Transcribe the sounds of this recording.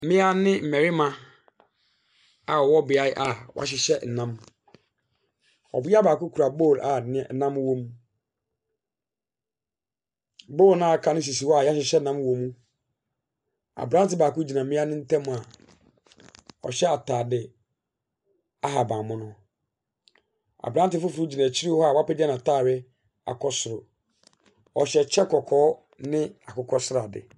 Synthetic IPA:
mɪ̃˦a˦nɪ̃˦m̩˨mɛ˨ɾɪ˦mã˨ | a˨wɔ˦bɪ˨a˦jʔa˨wa̰˨ɕ̬ɪ˨ɕɛ˦n̩˨nã˦m | ɔ̰˨bɪ˦a˦baː˨kʊ˦kʰu˨ɾa˨bo˦˨lʔa˨nɪ̃˦˨˦nã˦m˦wõ˦m˦ | boː˦˨lnã˦˨kʰa˨nɪ̃˦s̬i˨si˨wɔ˦a˨ja˦ɕ̬ɪ˨ɕɛ˦nã˦m˦wõ˨mũ˦ | a̰˨bɾã˦n˦tɪ˨˦baː˨kʊ˦d͡ʑi˨nã˨mɪ̃˦a˦nɪ̃˦n̩˦tʰɛ̃˦m̃˨a˨ | ɔ̰˨ɕɛ˦a˨tʰaː˨dɪ˨ | a˦ɦa˨bã˨mʊ̃˦nʊ̃˦ | a̰˨bɾã˦n˦tɪ˨˦fʊ˦fu˨u˦d͡ʑi˨nã˨t͡ɕʰi˦ɾi˦hɔ˦a˨wa˦pɛ˦dɪ˦a˦nã˨tʰaː˦˨ɥɛ˦ | a̰˨kʰɔ˦sʊ˨ɾʊ˨ | ɔ˨ɕɛ˨t͡ɕʰɛ˦kʰɔ˨kʰɔː˨˦ | nɪ̃˦a˨kʊ˨kʰɔ˦sʊ˦ɾa˨dɪ̰˨

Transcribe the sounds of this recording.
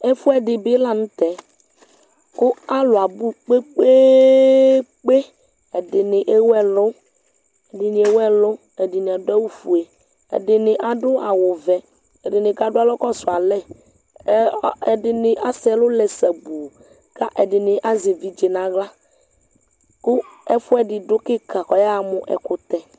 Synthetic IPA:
e˦fu˦ɛ˨ɖɪ˨be˦la˦nũ˦t̪ɛ˨ | ko˦a˦lo˨a˨bu˦k͡pe˦k͡pe˦ | k͡pe˦ | e˨ɖɪ˨nɪ̃˨ʔe˦wɛ˦lo˦ | e˨ɖɪ˨ni˨e˨wɛ˦lo˦ | e˨ɖɪ˨ni˨a˨dʊ˦a˦wu˦fu˨e˨ | ḛ˨ɖɪ˨nɪ̃˨ʔa˨ɖʊ˦a˨wo˨vɛ˨ | ɛ˨ɖɪ˨nɪ̃˨ɡa˦ɖʊ˦a˦lɔ˦kɔ˦so˨a˨lɛ˦ | ɛ˨ɖɪ˨nɪ˨ʔa˦sɛ˨˦lʊ˦lɛ˨sɛ˨bu˨ | ka˦ʔɛ˨ɖɪ˨nɪ˨ʔa˦ze˨vi˦d͡ʒe˨nã˨ɣla˦ | ko˦ɛ˦fu˦ɛ˨ɖɪ˨ɖʊ˦kɪ˦ka˨xɔ˨ja˦˨mʊ̃˨ʔɛ̰˨kʊ˨t̪ɛ˨

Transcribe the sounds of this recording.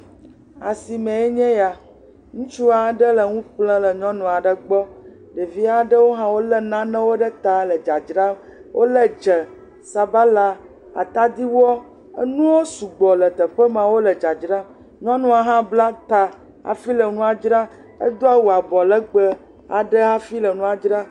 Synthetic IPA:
a˨si˨mɛ̃˨ɛ˦ɲɛ̃˦ja˨ | ŋũ˦t͡ʃu˦a˨ɖə˦lə˨ŋũ˦ɸlə̃˦lə˨ɲɔ̃˦nũ˨a˨ɖə˨ɡ͡bɔ˦ | ɖe˨vi˦a˨ɖə˦wo˦ɦã˦wo˦lə˦nã˦nə̃˦wo˦ɖə˦t̪a˨lə˨d͡ʒa˨d͡ʒɾa˦wʔo˦lə˦d͡ʒə˨ | sa˨ba˦la˦ | a̰˨t̪a˦d̪i˦wɔ˦ | ə̰˦nũ˦wo˦su˨ɡ͡bɔ˨lə˨t̪ə˨ɸə˦mã˨wo˦lə˨d͡ʒa˨d͡ʒɾa˦ | ɲɔ̃˦nũ˦a˨ɦã˦bla˦t̪a˨ | a̰˨fi˦lə˨nũ˦a˨d͡ʒɾa˦ | ə̰˦d̪o˦a˨wu˨a˨bɔ˨lə˦ɡ͡bə˦ | a̰˨ɖə˦ɦa˦fi˦lə˨nũ˦a˨d͡ʒɾa˦

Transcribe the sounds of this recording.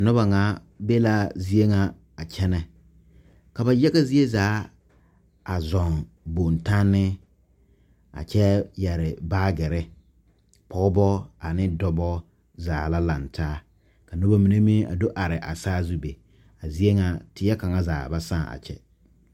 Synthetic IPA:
nɔ˦ba˨ŋa˨˦ | be˦la˦zi˦e˦ŋa˨ | a˨t͡ʃʰɛ˦nɛ˨ | ka˨ba˨jɛ˦ɣa˦zi˦e˦zaː˨˦ | a˨zɔ˨ŋ | bo˨n˨ta˦nːɪ˦ | a̰˨t͡ʃɛ˦jɛ˨ɾɪ˨baː˦ɡɛ˨ɾɛ˦ | pɔ˦bɔ˦a˨nɪ˦dɔ˦bɔ˦ | zaː˨la˦la˨ntʰaː˦ | ka˨nɔ˦ba˦mi˨ne˦mi˦a̰˨do˦ʔa˨ɾɪ˨ʔa˨saː˦zu˦be˨ | a˨zi˦e˦ŋa˨tɪ˨˦ɛ˦ka˨ŋa˦zaː˨ba˨sã˦˨a̰˨t͡ʃɛ̰˦

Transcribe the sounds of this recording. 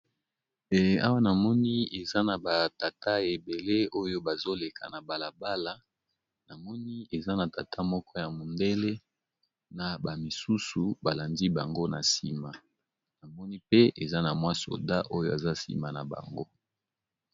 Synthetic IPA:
ɛ˨a̰˦wa˦na˨mɔ˦ni˦e˨za˦na˨ba˨ta˨ta˦e˨be˨le˦o˦jo˦ba˨zo˦le˨kʰa̰˨na˨ba˨la˨ba˦la˦ | na˨mɔ˦ni˦e˨za˦na˨ta˨tʰa˦mɔ˦kʰɔ˦ja˨mo˨nde˦le˦ | na˨ba˨mi˨su˦su˨ba˨la˨ndi˦ba˨ŋɡo˦na˨si˨ma˨ | na˨mɔ˦ni˦pe˦e˨za˦na˨mwa˦so̰˨da˦ʔo˦jo˦e˨za˦sḭ˨ma˨na̰˨ba̰˨ŋɡo˦

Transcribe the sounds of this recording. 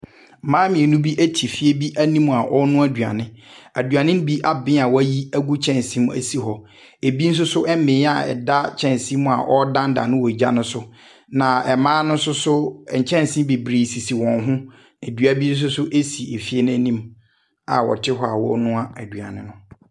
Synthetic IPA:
mãː˦mĩ˨e˨nũ˦bi˦ʔæ˦tʰi˨fi˦e˦bi˦ʔæ˦nĩ˦m˨a˨ʔɔ˦nʊ̃˦æ˦dɥa̰˨nɪ̃˦æ˨dɥa˨nɪ̃˦m˦bi˦ʔa˨bɪ̃˦a˨wɔ˦æ˦ji˦æ˦ɡu˦t͡ɕʰɛ̃˦˨nsĩ˦m˦æ̰˨si˦ɦɔ˨ | e˨bi˦n̩˦s̬ʊ˦sʊ˦ʔɛ˦mɪ̃˨˦a˨ɛ̰˨da˦t͡ɕʰɛ̃˦n˨sĩ˦m˦˨a̰˨ʔɔ˦dã˦n˦da̰˨nʊ̃˦wɔ˨d͡ʑa˦nʊ̃˦sʊ˦ | nã˨ɛ˨mãː˦nʊ̃˦sʊ˦sʊ˦˨ɲ̩˨t͡ɕʰɛ̃˦n˨sĩ˦m˦be˨bɾeː˨si˨si˨wɔ̃˨nɦʊ̃˦ | e˨dɥa˨bi˦n̩˦s̬ʊ˦sʊ˦ʔe˦si˨e˨fi˦e˦ñ˦æ˦nĩ˦m | a̰˨wɔ̰˨tʰɪ˦ɦɔ˦a˨wɔ̰˦nʊ̃˦a˦æ˨dɥa̰˨nɪ̰̃˦nʊ̃˦

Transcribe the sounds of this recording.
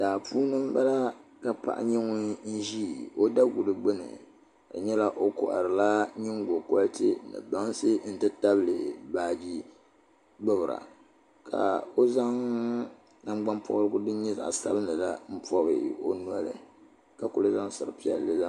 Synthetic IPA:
daː˨pʰuː˦nɨ˦m˦ba˦la˦ka˨pa̰˨ʔa̰˦ɲɛ˦ŋʊ˦n̩˦ʒiː˦˨o˦da˦ɡu˨lɨ˨ɡ͡bɨ˦nɨ̰˨ | a˨ɲɛ˦la˦ʔo˦kɔ̰˨ʔa̰˨ɾɨ˨la˦ɲɪ˦ŋɡo˨kɔ˦ltɨ˦nɨ̰˨ba˦ŋ˦sɨ˦n̩˦˨tɨ˦ta˦blɨ˨baː˦˨d͡ʒi˦ | ɡ͡bɨ˦bɨ˨ɾa̰˨ | ka̰˨o˦za˦ŋ | na˦mɡ͡ba˦npʰɔ˦ʔɾɨ˦ɡʊ˦dɨ˦ɲɛ˦za̰˨ʔsa̰˦bɨ˦nɨ˨la˦m̩˦pɔ˦bɨ̰˨o̰˦n˦a˦lɨ̰˨ | ka˨ku˨lɨ˦za˦ŋsɨ˨ɾɨ˨pi˦ɛ̰˨lːɨ˦za˦

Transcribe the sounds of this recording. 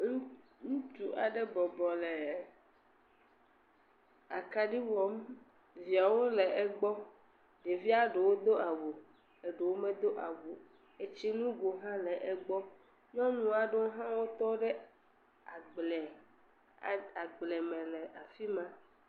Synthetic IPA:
ŋ˦ŋũ˦t͡ʃu˨ʔa̰˨ɖe˦bɔ˨bɔ˨le˨ | a˨ka˦ɖi˦wɔ˨˦m | vi˨a˨wo˦lɛ˨ʔɛ˦ɡ͡bɔ˦ | ɖe˨vi˦a˦ɖe˨wo˦d̪o˦a˨wo˨ | e˨ɖe˨wo˦mẽ˦d̪o˦ʔa̰˨wo˨ | e˨t͡ɕi˦nũ˦ɡo˨ɦã˦lɛ˨ʔɛ˦ɡ͡bɔ˦ | ɲɔ̃˦nũ˦a˨ɖe˦ɦã˦wo˦t̪ɔ˦ɖɛ˦ | a˨ɡ͡blɛ˨ | a˨ɡ͡blɛ˨mɛ̃˨lɛ˨ʔa˨fi˦mã˦

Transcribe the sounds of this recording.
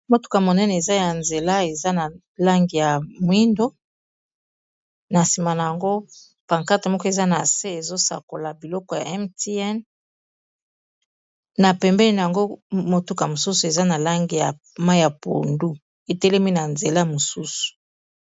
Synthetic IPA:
mo˦tu̥˦ka˨mo˨nɛ˦nɛ˨e˨za˦ja˨nze˨la˦e˨za˦na˨ | la˦ŋɡi˨ja˨mwi˦ndo˦ | na˨si˨ma˨na˨ja˨ŋɡo˦ | pa˨ŋka˦te˨mɔ˦kɔ˦e˨za˦na˨se˦e˨zo˦sa̰˨ko˨la˨bi˨lɔ˦kɔ˨ja̰˨ɛ˦mti˦ɛ˦n | na˨pɛ˨mbɛ˦ni˨n˨a˨ŋɡo˦mo˨tu˦ka˨mo˨su˦su˨e˨za˦na˨la˦ŋɡi˨ja˨ | ma˦ja˨po̰˨ndu˦ | e˨tɛ˦lɛ˦mi˦na˨nze˨la˦˨mo˨su˦su̥˨

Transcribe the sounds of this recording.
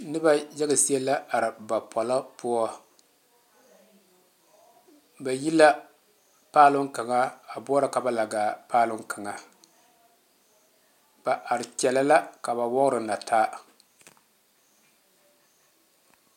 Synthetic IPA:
nɨ˦ba˦jɛ˦ɡa˨si˦ɛ˦la˦a˨ɾɪ˨ba˨pʰɔ˨la˦pʊ˦ɔ˦ | ba˨ji˦la˦ | paː˦lʊ˦ŋka˨ŋa˦a˨bʊ˦ɾa˨ka˨ba˦la˨ɡaː˨paː˦lʊ˦ŋka˨ŋa˨ | b̥a˨ʔa˨ɾɪ˨t͡ʃɛ˨la˦la˦ka˨ba˨wɔ˦ɣɾɨ˨na˨tʰaː˦

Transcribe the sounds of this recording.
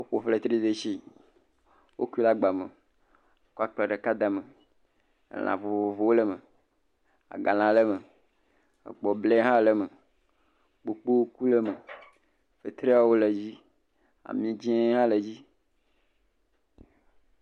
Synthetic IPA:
wo˦ɸo˨fle˦t̪ɾi˦d̪e˨ʃi˦ | wo˦ki˦la˦ɡ͡ba˨mḛ˨˦ | ku˦a˦k͡plɛ˨ɖə˨ka˦d̪a˨mḛ˨ | lʔã̰˨vo˨vvo˨vo˨wo˦lə˦me˨ | a̰˨ɡa˨lã˨lə˦mə˨ | ḛ˨k͡pɔ˨ble˦ɦã˦lə˨mə˨ | k͡po˨k͡po˦wo˦ku˦lə˦mə˨ | fe˨t̪ɾe˦a˨wo˦le˨d͡ʑi˦ | a̰˨mĩ˦d͡ʑɛ̃˦ɦã˦lə˨d͡ʑi˦

